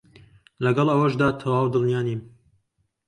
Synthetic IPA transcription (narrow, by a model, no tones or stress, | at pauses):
lɐɡɐlˠʔɐwɐʃd̪aːt̪ʰɐwaːwd̪ɨlˠnjaːnim